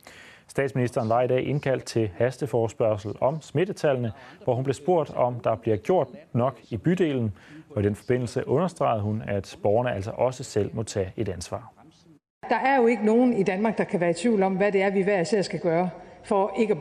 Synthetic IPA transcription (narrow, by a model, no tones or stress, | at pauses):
sd̥ɛ̰ːd̥sminisd̥ɐːnʋɑ̈id̥ɛ̰ːʔe̝nkʰæl̰d̥̚t͡sʰe̝lhæsd̥əfɒːsb̥ɶɐsl̩ɒ̽msme̝d̥ət͡sʰælnəʋɒhunb̥le̝sb̥o̝ɐ̰d̥ɒ̽md̥ɑ̈b̥liɐɡ̥jo̝ɐ̰d̥nɒ̽ɡ̥ib̥yd̥e̝̰ːln̩ɒ̽id̥enfɒ̽b̥e̝n̰l̩səʔɔ̽nɐsd̥ʁɑ̈ɪð̞̩ˠhunæd̥b̥ɒːʊɐnəæl̰sɒʔɒ̽səsel̰mo̽t͡sʰɛ̰ːe̝d̥ænsʋɑ̰̈ː | d̥ɑ̈ʔæɐjo̝e̝ɡ̥əno̝ːn̩id̥ænmɑ̈ːɡ̥̚d̥ɑ̈kʰæʋæːɐit͡sʰʋḭʊ̰lɒ̽mʋæde̝æɐʋiʋæɐseɐ̰sɡ̥æɡ̥ɶːɐfɒe̝ɡ̥ə